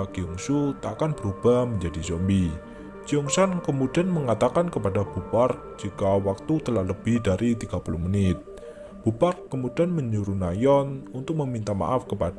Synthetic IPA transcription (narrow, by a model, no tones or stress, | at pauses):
ɡiɔŋsut̪akanb̥əɾub̥ahməɲd͡ʒadisɔmbi | d͡ʒ̥iɔŋsankəmudianməŋat̪akankəpadab̥upark̚d͡ʒikawak̚t̪ut̪əlahləb̥ɪhdaɾʔit̪iɡ̥apuluhmənɪt̪̚ | b̥uparkːəmudianməɲuɾunajɔnunt̪ʊk̚məmint̪ama̰ʔafkəpad